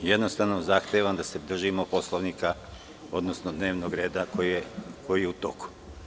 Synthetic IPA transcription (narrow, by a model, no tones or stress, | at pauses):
jed̪nost̪aʋnozaxt̪eʋamd̪ase̞d̪r̩ʒimopo̞slˠoʋnika | o̞d̪nosnod̪ne̞ːʋnoɡɾe̞ːd̪akokʰo̞jijeut̪o̞̰ku̥